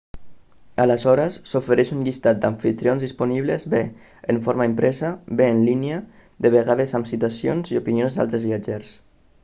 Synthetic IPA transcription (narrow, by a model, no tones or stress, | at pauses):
aləzɔɾəsːofeɾɛʃuŋʎist̪at̪̚d̪aɱfit̪ɾionzðispuniβlezbeː | ɱfoɾmaimpɾʔɛzabeːnlinia | ðeβ̞eɣaðezamsit̪asjonziopinjonzd̪a̰lˠt̪ɾezβiad͡ʒeɾs